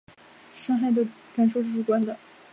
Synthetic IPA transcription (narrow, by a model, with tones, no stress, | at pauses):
ʂɑ˥ŋxa˥˩ɪd̪ə˥˩ | ka˨˩nʂ̬o˥˧ʂ̩˥˩ʈ͡ʂu˧˥˩kwa˥nd̪ə˨